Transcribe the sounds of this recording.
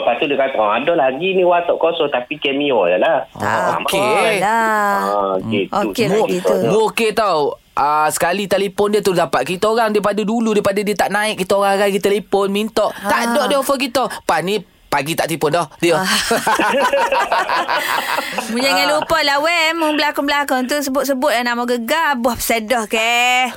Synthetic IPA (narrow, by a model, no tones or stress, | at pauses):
pat̪udiəkat̪ɔadɔlaɡiniwat̪ɔʔkɔsɔt̪apikɛmiɔjalaa̰a̰makea | ɡit̪oukmimoket̪aw | ʔəsə̥kalit̪elepɔndiət̪udapaʔ̪̚kit̪aoɾaŋdaipadəduludaijpadadiət̪aʔnaɪʔ̚kit̪aoɣaŋɡajɡit̪əlepɔnmint̪ɔʔt̪aʔdɔʔdiofək̬it̪ɔpani | paɡit̪aʔt̪ipʊndɔhdiɔ | mud͡ʒaŋalupɔlawɛmuŋbəlakɔnbəlakɔnt̪̬usəbʊt̪̚səbʊt̪̚lanamoɡəɡabuahpə̥sedɔhkɛ